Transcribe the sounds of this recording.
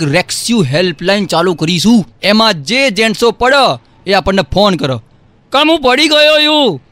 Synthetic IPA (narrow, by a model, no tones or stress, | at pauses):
ɾeksjuɦelplaint͡ʃalukəɾiʃũemãd͡ʒed͡ʒẽɳsopəɽa | eapəɳːepʰonkəɾa̰ | kamɦũpəɽiɡəjojũ